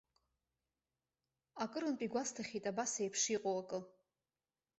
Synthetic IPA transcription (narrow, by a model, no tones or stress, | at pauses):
akʼɨɾɨnpʼiɡʷastʰaχʲitʼabasejpʰʂiqʼowakʼɨ